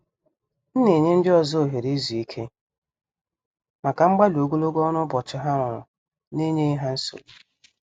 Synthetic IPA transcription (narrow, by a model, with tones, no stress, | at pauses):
n̩˦ne˨ɲe˦n̩˦dɪ˦ɔ˨zɔ˦o˨ɦe˨ɾi˦zi˨i˦kʰe˦ | ma˨ka˨ŋ͡m̩˦ɡ͡ba˦lo˨ɡo˦lo˦ɡɔ˦nʊ˦bɔ˨t͡ʃɪ˨ɦa˦ɾɔ˨ɾʊ̰˨ | ne˦ɲe˦i˦ɦa˦n̩˦so̰˨